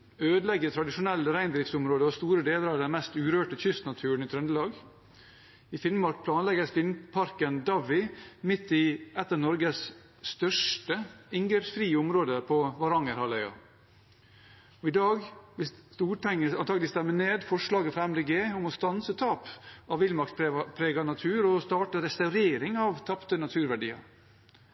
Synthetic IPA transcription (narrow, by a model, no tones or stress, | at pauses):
øːd̪əlɛɡət̪ʰɾɑd̪ɪʂʊnɛlːəɾæɪnd̪ɾɪft̪sʊmɾoːd̪əɔst̪uːɾəd̪eːləɾɑʋd̪ɛnmɛst̪ʉːɾøːʈəçʏst̪nɑt̪ʰʉːɳ̩ɪt̪ʰɾœnd̪əlɑːɡ | ɪfɪnmmɑɾk̚pʰlɑːnlɛɡəfɪnpʰɑɾkənd̪ɑʋɪmɪt̪ːɪɛt̪ːənɔɾɡəs | st̪œʂʈəɪŋɡəɾsfɾiːəʊmɾoːd̪əpʰɔʋɑɾɑŋəɾhɑlœʏɑ̰ | ɔɪd̪ɑːɡʋɪst̪uːʈʰɛŋəɑnt̪ʰɑːɡəlɪst̪æmːəneːd̪fɔʂlɑːɡəfɾɑɛmd̪eːɡeːʊmɔst̪ɑnsət̪ʰɑːpɑʋɪlmɑkt̪pʰɾeːɡɑnɑt̪ʰʉːɾɔst̪ɑːʈəɾɛst̪ɑʉɾeːɾɪŋɑʋt̪ʰɑpt̪ənɑt̪ʰʉːɾʋæɖḭːɑ̰